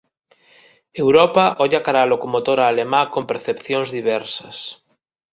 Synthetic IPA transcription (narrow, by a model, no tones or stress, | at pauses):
ewɾopaʔoʎakaɾalokomot̪oɾaːlemãkompeɾθepθjõŋzðiβ̞ɛɾsɐs